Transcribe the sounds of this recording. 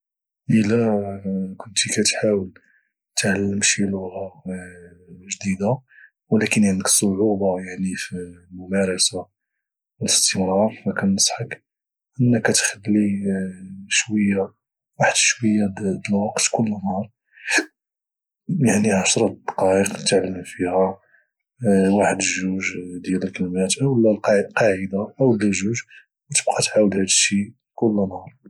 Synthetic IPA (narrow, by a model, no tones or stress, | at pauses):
ʔəlæ | kʊnt̪ikæt̪ħawəl | t̪ʕalːəmʃiluhæ | ʒd̪id̪a | wlækənʕənd̪əksˤːoʕubɑjaʕnifilmʊmæɾˤɑsa | ələst̪əmɾˤɑɾˤfækænəsˤħək | ʔənːəkːæt̪xəlːi | ʃwəjːa | waħəd̪ʃwəjːad̪d̪əlwɑqt̪kʊlːənhɑɾˤ | jaʕniʕaʃɾˤɑd̪̥ɑ̥qɑʔəqt̪aʕləənfihæ | waħəd̪əʒuʒd̪jæləlkəlmæt̪ʔəwəlːælqqɑʕəd̪aʔəwd̪æʒuʒ | wt̪əb̚qʰɑt̪ʕawəd̪hæd̪əʃi | kʊlːnhɑɾˤ